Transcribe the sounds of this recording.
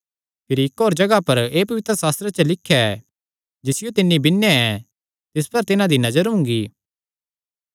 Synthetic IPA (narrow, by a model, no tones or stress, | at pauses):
pʰɪɾiɪkɦoːɾd͡ʒɐɡapɐɾeːpɐʋɪt̪ɾəsaːst̪ɾet͡ʃəlɪkʰːjaɛ | d͡ʒɪsɪjot̪ɪnːibɪnːaɛ | t̪ɪspɐɾt̪ɪnãd̪inɐzəɾɦʊ̃ŋ̆ɡiː